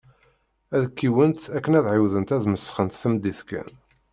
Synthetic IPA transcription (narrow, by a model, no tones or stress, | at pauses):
æðəkːiwənt̪ækːənæðʕiwðənt̪æðməsːχənt̪θəmd̪iθkæ̰n